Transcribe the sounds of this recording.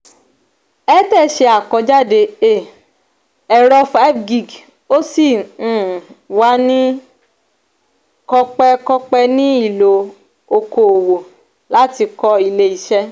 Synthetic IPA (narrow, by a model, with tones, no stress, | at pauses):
ɛ˦tɛ˦˨ʃe˧a˨kɔ˧˦d͡ʒa˦˨de˧e˦˨ | ɛ˨ɾɔ˧fa˦bɡi˨ɡ | o˦sĩ˦˨ | wa˨˦nĩ˦ | kɔ˧k͡pɛ˧kɔ˧k͡pɛ˧nĩ˦i˦˨lo˨ | o˧ko˨o˨wo˨ | la˨˦ti˧kɔ˧i˧le˧i˨ʃɛ˦